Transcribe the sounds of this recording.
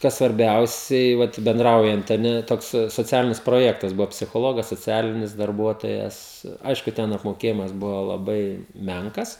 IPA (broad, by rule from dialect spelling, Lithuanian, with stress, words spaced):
ˈkɐs sʋɐrʲˈbʲɛʊsʲɛɪ ʋɐt bʲɛnˈdrɐʊjɛnt ɐ ˈnʲɛ ˈtoːks soːˈt͡sʲæːlʲɪnʲɪs proːˈjæːktɐs ˈbʊʋoː pʲsʲɪxoːˈlˠoːɡɐs soːˈt͡sʲæːlʲɪnʲɪs dɐrˈbuɔtoːjɛs ˈɐɪʃkʊ tʲɛn ɐpmoːˈkʲeːjɪmɐs ˈbʊʋoː lˠɐˈbɐɪ ˈmʲɛŋkɐs